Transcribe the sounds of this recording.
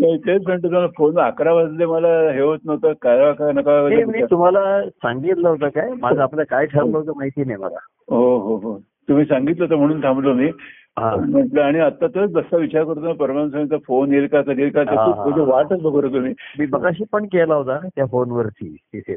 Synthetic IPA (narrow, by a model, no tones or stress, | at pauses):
nəit̪et͡sməɳʈ̪əsfonakɾaʋəd͡z̪leməlaɦeʋot͡snəʋt̪əkajakanəkaənemiːt̪um̤alasaŋɡit̪laɦot̪akajmad͡zʱaːpljakajʈʰəɾləɦt̪əmaɦit̪iːnajma̰la̰ | ɦoɦoɦo | t̪um̤iːsãŋɡit̪lət̪̬əm̤əɽ̃uːnt̪ʰãmblomiː | ɦãm̤əɳʈləaɽ̃iət̪ːat̪əd͡zəsaʋit͡ɕaɾkəɾt̪unapəɾʋansə̃t͡səfonelkasəɡelkat̪əkãuːəd̪eʋaʈəkbʱəɡoɾət̪um̤iːmiːbəɡaɕiːpəɳkelaɦot̪at̪jafonʋəɾt͡ɕḭːt̪it̪ʰḛ